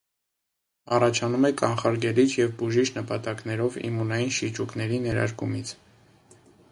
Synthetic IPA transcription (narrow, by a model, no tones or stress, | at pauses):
ɑrɑt͡ʃʰɑnumɛkɑnχɑɾɡɛlit͡ʃʰjɛvbuʒit͡ʃʰnəpɑt̪ɑkn̪ɛɾɔvḭmunɑjinʃit͡ʃʰuknɛɾinɛɾɑ̰ɾkumit͡sʰ